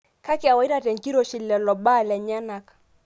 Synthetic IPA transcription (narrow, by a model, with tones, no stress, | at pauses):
ka˦ki˨a˨wa˨˦i˦ɾa˦˨tɛ˨ŋ˨ki˦ɾo˦˨ʃi˨lɛ˨lɔ˨ɓa˦˨lɛ˨ɲa˦na˨kḁ˨